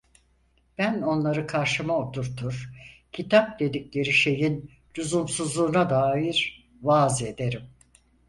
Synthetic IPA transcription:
b̥æno̞nlˠaɾɯkʰaɾʃɯmaot̪ʰuɾt̪ʰuɾ̥cʰit̪ʰap̚d̪e̞d̪iclʲe̞ɾiʃe̞jin | luzumsuzlˠuːnad̪aːjiɾ | vaze̞d̪e̞ɾim

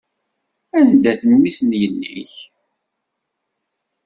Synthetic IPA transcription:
ænd̪æθənwisnjənːḭç

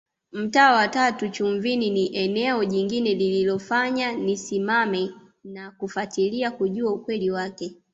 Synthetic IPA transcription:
m̩taːwatatut͡ʃuɱvininiʔɛnɛɔʄiŋɡinɛlililɔfaɲanisimamɛ | nakufatiliakuʄuaukwɛliwakɛ

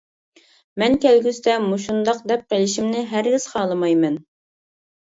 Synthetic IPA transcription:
mɛnkʲɛlɡʲyst̪ɛmuʃund̪ɑq̚d̪ɛp̚qelɪʃimnɪɦæɾɡʲɪz̥χɑːlˠɨmɑjmɛn

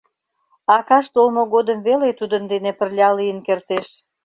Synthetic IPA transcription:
ɑkɑʃt̪olmoɣod̪əmvelet̪ud̪ənd̪enepə̆rlʲɑlijənkert̪eʃ

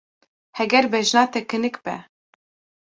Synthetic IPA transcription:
hɛɡɛɾbɛʒnɑːt̪ɛkɨnɨkbɛ̰

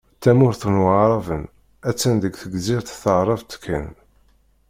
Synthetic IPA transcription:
t̪ːæmʊɾθənwʕʕɾˤɑvən | æt͡sːænðəɡθəɡziɾθθəʕɾˤɑvt̪kʰːæ̰n

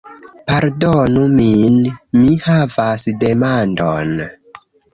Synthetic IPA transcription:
paɾdonuminmihavasde̞mandon

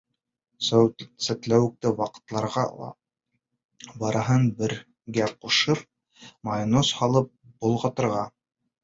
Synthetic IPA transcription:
ssæt̪læwɘ̆k̚t̪ɘwɑqɤ̥̆t̪lˠɑɾʁɑ̰lˠɑ̰ | bɑɾɑɦɤnbɘ̆ɾ | ɡæquʃɤɾ | mɑjnoshɑlˠɤp̚bŏlˠʁɑ̆t̪ɤ̆ɾʁɑ

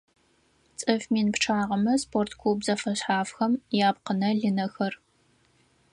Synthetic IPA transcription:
t͡sʼɐfmiːnpʈ͡ʂʰaːʁɐmɐspʰoːrtʰkʰubzɐfɐɕħaːfxɐmjaːpqənɐɮinɐxɐr

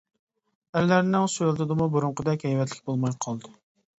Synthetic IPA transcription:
æɾlæɾnɪŋsʊlt̪ʰɨd̪ɨmubuɾʊɴqəd̪ɛkʲhɛjwɛt̪lɪ̥kʲbolˠmɑjqʰɑlˠd̪ɨ

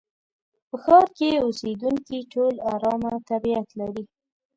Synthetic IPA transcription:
pəxɑɾkeused̪uŋkiʈʰolaɾɑmat̪abiat̪laɾi

